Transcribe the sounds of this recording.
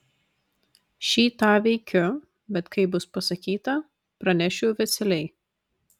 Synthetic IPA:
ʃʲiːt̪ɑːʋʲɛɪkʲʊ | bʲɛt̪kɐɪbʊspɐsɐkʲiːt̪ɐ | pɾɐnʲɛʃʲʊʊʋʲɛsʲɛlʲɛɪ

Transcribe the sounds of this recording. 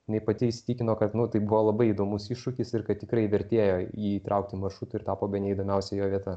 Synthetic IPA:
nɐɪpɐt̪ʲɪɪsʲɪ̥t̪ʲikʲɪnoːkɐt̪nʊt̪ɐɪbuʋoːlˠɐbɐɪid̪oːmʊsiʃʃʊkʲɪsɪɾkɐt̪̚t̪ʲɪkɾɐɪʋʲɛɾʲt̪ʲeːjoːjiːt̪ɾʔɐʊk̚t̪ʲɪmɐrʃɾuːt̪ʊɪɾt̪ɑːpoːbʲɛnʲɛɪd̪oːmʲɛʊsʲɛjoːʋʲiɛt̪ɐ

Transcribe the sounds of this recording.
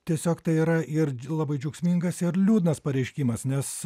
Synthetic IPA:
t̪ʲiɛsʲoːkt̪ɐɪiːɾɐʔɪɾlˠɑbɐɪd͡ʒʲɛʊksʲmʲiːŋɡɐsɪɾlʲuːd̪nɐspɐɾʲɛɪʃʲkʲiːmɐsnʲɛs

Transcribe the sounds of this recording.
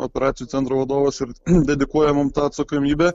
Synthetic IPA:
opʲɛɾɑːt̪sʲɪjut̪sʲɛnt̪ɾoːʋɐd̪oːʋɐsɪɾd̪ʲɛd̪ʲɪkuɔjɛmʊmt̪ɑːɐt̪sɐkoːmʲiːbʲɛ

